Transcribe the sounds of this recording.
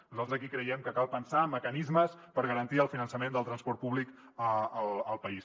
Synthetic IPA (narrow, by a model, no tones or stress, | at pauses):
nuzalt̪ɾzəkikɾəjɛmkəkalˠpənsaməkənizməspəɾɣəɾənt̪iəlˠfinənsəmend̪əlˠt̪ɾənspɔɾt̪̚puβlik | əələlˠpəis